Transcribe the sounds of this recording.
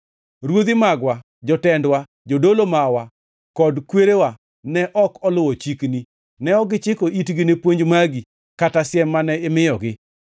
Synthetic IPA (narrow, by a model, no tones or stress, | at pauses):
ɾwod̪ɪmaɡwa | d͡ʒɔtɛndwa | d͡ʒodolomawa | kɔdkweɾewa | nɛʔɔkɔlʊwɔt͡ʃikni | nɛɔɡɪt͡ʃɪkɔʔitɡɪnepwoɲd͡ʒmaɡi | katasjɛmːanɛɪmɪjɔɡɪ